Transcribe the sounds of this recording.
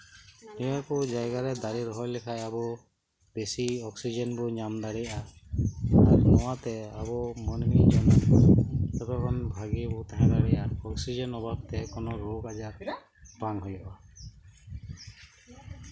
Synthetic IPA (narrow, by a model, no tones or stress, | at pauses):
nijakɔd͡ʒajɡaɾɛd̪aɾiɾɔɦɔjlɛkʰajabɔ | besiɔksid͡ʒɔnbɔɲamd̪aɾɛjʔa | aɾnɔwat̪ɛabɔmɔnmiʔd͡ʒɔna | sɛpakɔnbʱaɡibɔt̪aɦãbaɾɛjaɔksid͡ʒɔnɔbab̚t̪ɛkɔnɔɾɔɡad͡ʒaɾ | baŋɦɔjɔʔa